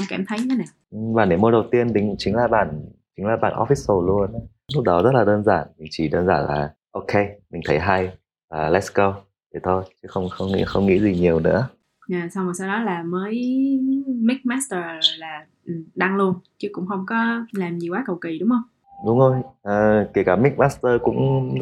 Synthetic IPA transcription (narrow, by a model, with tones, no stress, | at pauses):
kaː˧˩mt̪ʰə˨˦jɲʰ˧˨˦na˨˩ | ɓaː˨˩nɗḭ˨˧˩mo˨˦ɗə˨˩wt̪i˧ənɗï˧˩ŋ˧˥ŋ͡mt͡ɕï˨˦ŋ̟laː˨˩ɓa̰ː˧˩nt͡ɕï˨˦laː˨˩ɓa̰ː˧˩nʔɔ̰˨˦˥fi˦˥sso˧˩lu˧ən˨˦ | lʊ˦˥k͡p̚ɗɔ˨˦zə˦˥t̚laː˨˩ɗəː˧nzaː˧˩nmï˨˩ŋ̟t͡ɕi˧˩ɗəː˧nzaː˧˩nla̰ː˨˩ | ʔo˧kʰe˧mï˨˩ŋ̟t̪ʰə˨˦jɦa˧j | vaː˨˩lɛ˦˥skə˧w | t̪ʰi˨˩t̪ʰo˧jt͡ɕɨ˨˦xə˧wŋ͡mxə˧wŋ͡mŋḭ˧˥xə˧wŋ͡mŋḭ˧˥zi˨˩ɲi˨˩əwnɨ̰˧˥ə | aː˨˩sa˧wŋ͡mhəː˨˩sa˧wɗɔ˨˦laː˨˩məː˨˦j | mi˦˥k̚maː˦˥st̪əː˧˨˩laː˨˩ | ʔ̩˨˩ɗa˧ŋlu˧ənt͡ɕɨ˨˦kʊ̰˧˥ŋ͡mxə˧wŋ͡mkɔ˨˦laː˨˩mɲi˨˩waː˨˦˥kə˨˩wki˧˩ɗʊ˨˦ŋ͡mhə˧wŋ͡m | ɗʊ˨˦ŋ͡mho˧jʔəː˨˩ki˧˩əkaː˧˩mi˦˥k̚maː˦˥st̪əː˧kʊ̰˧˥ŋ͡m